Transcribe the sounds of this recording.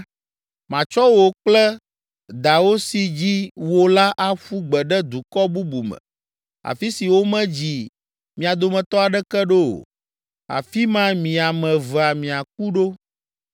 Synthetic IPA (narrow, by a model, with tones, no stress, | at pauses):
mã˨t͡ʃɔ˦wo˨k͡plɛ˦ | d̪a˨wo˦si˨d͡ʑi˦wo˦la˦ʔa˦ɸu˦ɡ͡bɛ˨ɖɛ˦d̪u˨kɔ˦bu˦bu˨mɛ̰̃˨ | a̰˨fi˦si˨wo˦mɛ̃˦d͡ʑi˨ | mĩ˨a˨d̪o˨mɛ̃˨t̪ɔ˦a˨ɖɛ˦kɛ˦ɖo˦o̰˨ | a̰˨fi˦mã˦mĩ˨a˨mɛ̃˨və˨a˨mĩ˨a˨k̚u˦ɖo˦